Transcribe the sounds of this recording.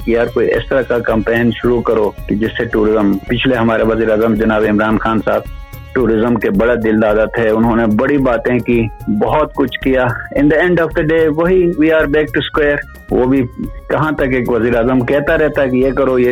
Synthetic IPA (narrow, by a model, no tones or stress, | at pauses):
kiaːɾkoːiʔɪ̰st̪ɐɾakakɐ̃mpẽːnʃʊɾukɐɾoːkid͡ʒɪsːeʈuːɾɪzəmpɪt͡ʃʰleɦɐmaːɾeʋɐziːɾaːzəmd͡ʒɐnaːbɪ̃mɾaːnxaːnsaːb̚ | ʈuːɾɪzəmkebɐɽad̪ɪld̪aːd̪ət̪ɦɛʊnɦõːnebɐɽibaːt̪ẽkibɔɦɔt̪kʊt͡ʃʰkijaːɪ̃nd̪əɛ̃ɳɖɔːfd̪əɖeːʋɐɦiʋiːaːɾbɛːk̚ʈuskweːəɾ | ʋo̰ːbʱikɐɦãt̪ɐkeːkʋɐziːɾaːzəmkɛɦt̪aɾɛɦt̪aɦɛkijeːkɐɾoje